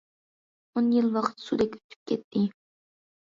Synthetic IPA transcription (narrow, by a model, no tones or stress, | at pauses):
onjilˠwɑqʰə̥t̪sud̪ɛkʲy̥t̪ʰy̥p̚kʲʰɛt̪ʰːɪ